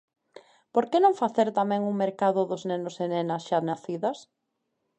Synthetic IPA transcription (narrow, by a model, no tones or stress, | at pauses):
poɾkenõŋfaθeɾt̪amɛ̃ŋuŋmeɾkaðʊðʊznenʊsenenɐsʃanaθiðɐs